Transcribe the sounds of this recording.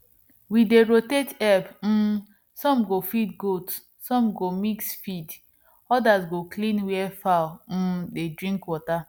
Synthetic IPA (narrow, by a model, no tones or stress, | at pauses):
wideɾotetɛbm̩ | sɔ̃mɡofidɡot | sɔ̃mɡomiksfid | ɔdasɡoklĩnwɛfaʊm̩dedɹĩŋkwɔta